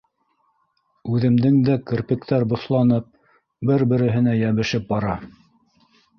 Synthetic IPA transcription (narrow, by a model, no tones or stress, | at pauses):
ʉðɘ̆md̪ɘŋd̪ækɘ̆ɾpɘ̆kt̪æɾbŏθlˠɑnɤp̚ | bɘɾbɘ̆ɾɘ̆ɦɘ̆næjæβɘ̆ʃɘp̚bɑɾɑ